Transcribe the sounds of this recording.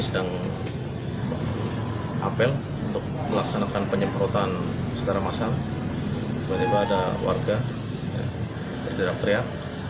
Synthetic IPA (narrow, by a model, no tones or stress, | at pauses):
sədaŋ | ʔa̰pəl | unt̪ʊk̚məlaksanakanpəɲəmpɾot̪an | sə̥t͡ʃaɾamasaŋ | bat̪ibaːdawa̰rɡa | ja̰ | bərdiɾak̚t̪ɾiak̚